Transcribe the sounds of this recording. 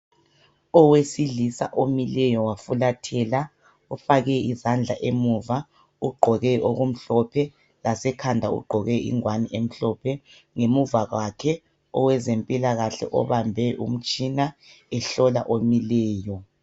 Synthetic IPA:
ɔwesiɮisa̰ʔomilɛjɔwafulatʰɛla | ufaɣɛizand͡ɮʱa̰ʔemuva | uɡ͡ǃʱɔɣɛʔoɣum̩ɬɔpʰɛ | lasɛkʰandʱaṵɡ͡ǃʱɔɣɛḭŋwaniʔem̩ɬɔpʰɛ | ŋemuvaɣwakʰɛ | ɔ̰wɛzempʼilaɣaɬɛ̰ʔɔ̰βambʱɛʔṵm̩t͡ʃʼinaɛɬɔla̰ʔomilɛːjɔ

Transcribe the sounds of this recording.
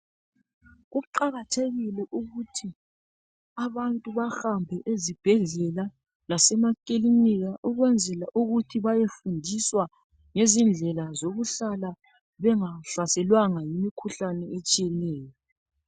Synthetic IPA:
ɣuǃaɣatʰeɣilɛʔuɣutʰi | aβantʼuβaxambʱɛʔezib̥ʱɛɮɛla | lasɛmakʼiliniɣaʔuɣwɛnd͡zʱɛlaʔuɣutʰiβajefundʱiswa | ŋezind͡ɮʱɛlazoɣuɬala | βɛŋaɬasɛlwaŋajimikʰuɬanɛet͡ʃʼijɛnɛːjɔ

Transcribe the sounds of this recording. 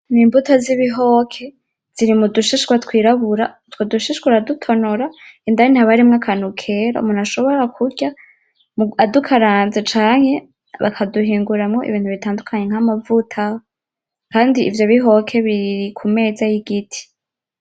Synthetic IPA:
niːmbutoziβiɦo̞kʰe̞ | z̥iɾimuduʃiʃɡwatkwiːɾaβuɾa | twoduʃiʃwuɾadutʰo̞noɾaindajinaβaɾimŋakʰanukʰe̞ɾa̰ṵmunaʃo̞βo̞ɾakʰuɾɟa | muadukʰaɾaːnzet͡ʃaːŋ̥he̞ | βa̰kʰaduɦiːŋɡuɾamŋo̞ʔḭβiːnthuβitaːndukʰaɲe̞ŋ̥hamavutʰaho | kaːndiʔːvjo̞βiɦo̞kʰe̞βiɾikʰume̞ːzajiɡitʰi̥

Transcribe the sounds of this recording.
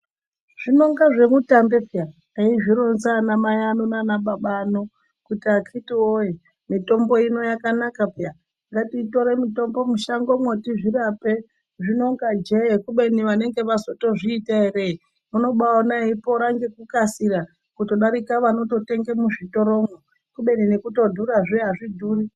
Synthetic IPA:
ʐ̥ino̞ŋɡaʐe̞mutambe̞pja | aiʐiɾonzanamajanonanaɓaɓano | kutiakʰitioje | mito̞mbo̞ino̞jakanakapja | ŋɡatiːto̞ɾe̞mito̞mbo̞muʃaŋɡo̞mwotiʐirape | ʐinoŋɡad͡ʒekuɓe̞niʋane̞ŋɡe̞ʋaso̞to̞ʐiːtaeɾe̞i | muno̞ɓaonaipo̞ɾaŋɡekukasiɾa | kuto̞ɗaɾikaʋano̞to̞te̞ŋɡemuʐito̞ɾo̞mo | kuɓe̞ninekuto̞dʱuɾaʐiaʐidʱuːri

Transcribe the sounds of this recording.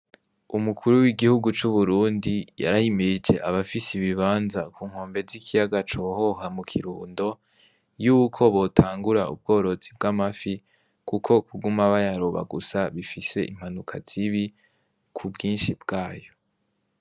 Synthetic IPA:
umukʰuɾuwiɡihuɡut͡ʃuβuɾuːndija̰ɾahimiid͡ʒe̞ʔaβafisiβiβaːnzakʰuːŋ̥ho̞ːmbe̞zikʰijaɡat͡ʃo̞ho̞hamukʰiɾuːndo̞ | juːkʰo̞βo̞tʰaːŋɡuɾaṵb̚ɡo̞ːɾo̞t͡sib̚ɡamafi | kukʰo̞kʰuɡumaβajaɾoβa̰ɡusaβifise̞ʔim̥anukʰaz̥iβi | kʰubɡiːnʃibɡ̥aːjo̞

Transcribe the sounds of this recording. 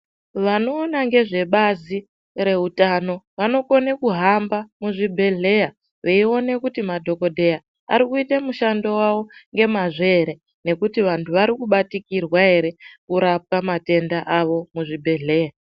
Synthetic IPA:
ʋano̞ːnaŋɡe̞ʐe̞ɓazi | re̞utano̞ʋano̞ko̞nekuɦambamuʐibʱe̞ɮe̞ja | ʋeio̞ne̞kutimadʱo̞ko̞dʱe̞ja | a̰ɾikuitemuʃando̞wawo̞ŋɡe̞maʐe̞ɾe̞ | ne̞kutiʋantʰuʋaɾikuɓatikirwaɦe̞ɾe̞kuɾap̚kamate̞ndaʔaʋo̞muʐibʱe̞ɮe̞ːja

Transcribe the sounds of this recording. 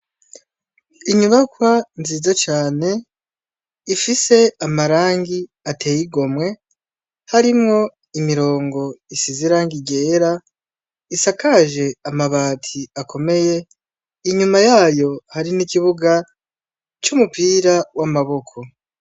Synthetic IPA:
iɲuβakwanziːzat͡ʃaːne̞ | ifise̞amaɾaːŋɡi | atʰe̞ːjiɡo̞mŋe̞ | haɾimŋo̞ | imiɾo̞ːŋɡo̞isiziɾaːŋɡiɡe̞ːɾa | isakaʒe̞amaβaːtʰiakʰo̞me̞je̞ | iɲumajaːjo̞haɾinikiβuɡa | t͡ʃumupiɾawamaβo̞kʰo̞

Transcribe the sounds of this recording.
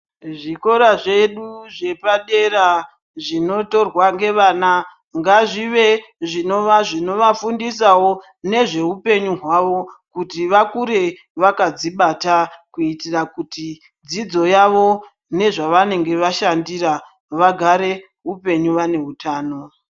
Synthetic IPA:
ʐiko̞ɾaʐe̞ɗuʐe̞paɗe̞ɾa | ʐino̞to̞rwaŋɡe̞ʋana | ŋɡaʐiʋe̞ʐino̞ʋaʐino̞ʋafundis̬awo | ne̞ʐe̞ɦupe̞ɲuɦwaʋo̞kutiʋakuɾe̞ | ʋakad͡ziɓatakuitirakuti | d͡zid͡zo̞jaʋo̞ | ne̞ʐaʋane̞ŋɡe̞ʋaʃandira | ʋaɡʱaɾe̞ | ɦupe̞ɲuʋane̞ɦutaːno̞

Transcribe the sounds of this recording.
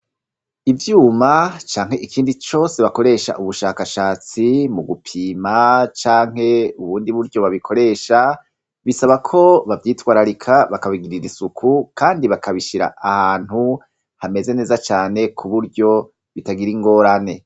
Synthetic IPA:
ivjuːmat͡ʃaːŋ̥he̞ʔikʰiːndit͡ʃo̞ːse̞βako̞ɾe̞ʃa̰ʔuβuʃaːkaʃaːt͡simuɡupʰiːmat͡ʃaːŋ̥ɦe̞uβuːndiβuɾɟo̞βaβikʰo̞ɾe̞ːʃa | βisaβakʰo̞βavjiːtwaːɾaɾikʰaβakaβiɡiɾiɾisukʰukʰaːndiβakʰaβiʃiɾa̰ahaːn̥hu | hame̞ze̞ne̞ːzat͡ʃaːne̞kʰuβuɾɟo̞ | βitaɡiɾiŋɡo̞ːɾane̞

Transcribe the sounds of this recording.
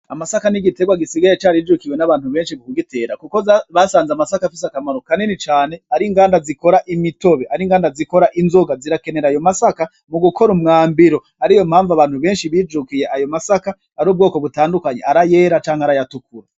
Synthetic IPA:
amasakaniɡite̞ɡwaɡisiɡajet͡ʃaːɾid͡ʒukiwe̞naβaːnhuβe̞ːnʃiβukuɡite̞ːɾakuko̞zβasaːnzamasakafis̬akamaɾokanenit͡ʃaːne̞aɾiŋɡaːndaziko̞ɾaʔimito̞βeʔaɾiŋɡaːndaziko̞ɾaʔinzo̞ɡaziɾake̞ne̞ɾajo̞masaka | muɡukʰo̞ɾumŋaːmbiɾo̞ | aɾijo̞mhaːɱvaβaːn̥huβe̞ːnʃiβiːd͡ʒukije̞ʔajo̞masakaːɾuːb̚ɡo̞ːko̞βutaːndukaɲe̞̰aɾaje̞ːɾat͡ʃaːŋhaɾajatukuɾa

